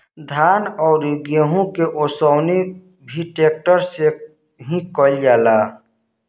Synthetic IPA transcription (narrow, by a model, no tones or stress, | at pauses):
d̪ʱaːnɔːɾjʊɡjəɦũkeʔosɔʊni | bʱiʈeːk̚ʈəɾse | ɦĩkɔld͡ʒaːla